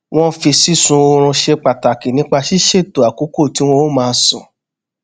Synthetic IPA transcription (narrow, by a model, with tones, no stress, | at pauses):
w̃ɔ̃˦fi˧si˦sũ˧o˧ɾ̃ũ˧ʃe˧k͡pa˨ta˨ki˨nĩ˦k͡pa˧ʃi˦ʃe˦˨to˨a˨ku˨˦ko˦˨ti˨˦w̃ɔ̃˧o˦mãː˧˦sɔ̰̃˨